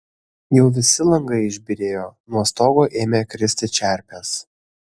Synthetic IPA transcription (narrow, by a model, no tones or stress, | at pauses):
jɛʊʋʲɪsʲɪlˠɐŋɡɐɪɪʒʲbʲɪɾʲeːjoːnuɔst̪oːɡoːʔeːmʲeːkɾʲɪsʲt̪ʲɪt͡ʃʲæˑɾʲpʲɛs